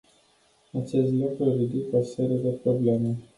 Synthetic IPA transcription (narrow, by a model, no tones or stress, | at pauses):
at͡ʃe̞st̪lukɾuarid̪ikose̞ɾije̞d̪e̞pɾo̞ble̞me